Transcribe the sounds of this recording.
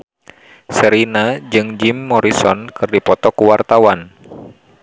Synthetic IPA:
səɾinad͡ʒɨŋd͡ʒimːɔɾisɔnkɨrdipɔt̪ɔkuwart̪awan

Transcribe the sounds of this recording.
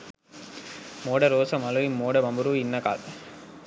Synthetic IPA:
moːɽɐɾoːsɐmɐlɐimːoːɽɐmɐmbɯɾuʋinːɐka̰ːl

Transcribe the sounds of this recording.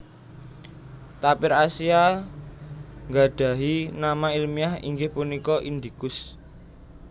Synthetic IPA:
t̪apɪɾasia | ŋɡa̤ɖ̪̥ä̤ɦinamailmiahḭŋɡɪhpunikɔʔind̪ikʊs

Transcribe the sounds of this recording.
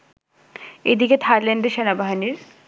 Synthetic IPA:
ḛd̪iket̪ʰaɾleɳɖeʃenabaɦaniɾ

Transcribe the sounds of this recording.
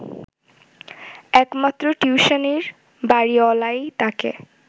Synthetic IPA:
ɛkmat̪ːɾoʈjuuʃaneɾ | baɾiɔlajt̪akḛ

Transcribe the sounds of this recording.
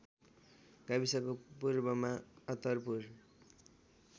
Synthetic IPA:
ɡ̥abisʌkopurbʌmaʌt̪ʌrpur

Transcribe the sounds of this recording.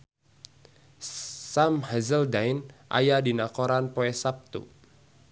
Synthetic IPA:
samhazəldaɪnʔa̰jadinakɔɾanpoɛsap̚t̪ṵ

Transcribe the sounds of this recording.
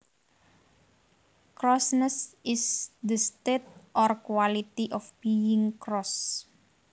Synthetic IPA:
kɾɔsnəsɪsd̪əst̪et̪̚ʔɔrkwalit̪iʔɔfb̥iɪŋkɾɔs

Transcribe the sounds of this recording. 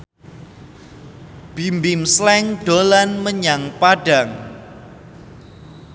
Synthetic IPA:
b̥imbɪmslɛŋɖ̥olanməɲaŋpaɖaŋ

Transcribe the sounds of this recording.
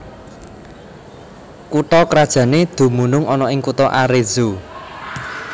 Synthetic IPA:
kuʈ̪ɔkɾad̥ʒ̥a̤ned̪̥ṳmunʊŋɔnɔɪŋkut̪ɔʔaɾe̥z̥o

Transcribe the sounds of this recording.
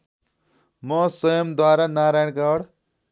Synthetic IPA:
mʌsʌjʌmd̪waɾanaɾajnkaɽ

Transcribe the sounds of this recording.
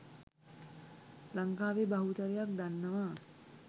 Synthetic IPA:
laŋkaːʋebaɦut̪əɾejak̚d̪anːəʋaː

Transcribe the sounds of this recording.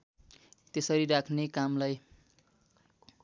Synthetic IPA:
t̪esʌɾiɾakʰnekamlaj

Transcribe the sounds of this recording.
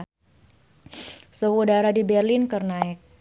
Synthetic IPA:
səudaɾadibɛrlinkərnaɪk̚

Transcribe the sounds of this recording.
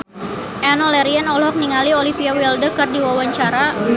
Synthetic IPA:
ʔɛnɔlɛɾianɔlɦɔk̚niŋaliolifiawɛldəkərdiwawaɲt͡ʃaɾa

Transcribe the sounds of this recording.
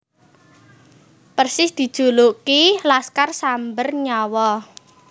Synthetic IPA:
pərsɪsd̪̥i̤d̥ʒ̥o̤lukilaskarsambərɲɔwɔ

